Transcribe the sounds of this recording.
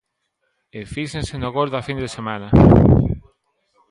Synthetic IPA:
efisẽnsenoɣoɾðɐfind̪esemanɐ

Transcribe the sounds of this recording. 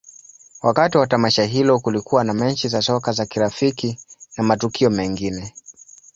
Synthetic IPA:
wakatiwatamaʃaɦilɔkulikuwanamɛɲt͡ʃizasɔkazakiɾafikinamatukʰiɔmɛŋɡinɛ

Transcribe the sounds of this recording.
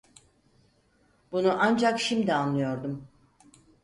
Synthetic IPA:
bunuʔand͡ʒakʃimd̪ianlˠɯjo̞ɾd̪um

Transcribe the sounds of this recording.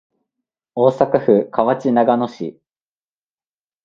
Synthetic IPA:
oːsakaɸɯ̟kʰaβat͡ɕinaɡano̞ɕḭ

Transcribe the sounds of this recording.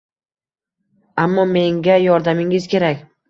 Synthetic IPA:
amːɒme̞ŋɡʲajɒɾd̪amɪŋɪzkʲe̞ɾakʲ

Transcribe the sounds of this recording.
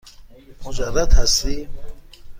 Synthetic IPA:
mud͡ʒarːad̪hast̪i

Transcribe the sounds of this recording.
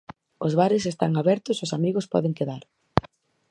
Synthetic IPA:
ʊzβaɾɪsest̪a̰ŋaβɛɾt̪ʊsosamiɣʊspɔ̰ðeŋkeðaɾ

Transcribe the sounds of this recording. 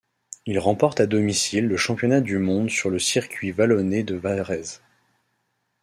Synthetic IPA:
ilʁɑ̃pɔʁt̪ad̪ɔmisilːəʃɑ̃pjɔnad̪ymɔ̃d̪syʁləsiʁkʲɥivalɔned̪əvaʁɛz

